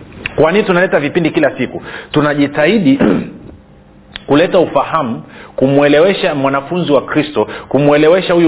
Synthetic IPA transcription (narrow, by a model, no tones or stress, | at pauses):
kwaniitunalɛtavipindikilasikutunaʄitaiɗi | kulɛtaufahamukumuɛlɛwɛʃamwanafunziwakɾistɔkumuɛlɛwɛʃahuju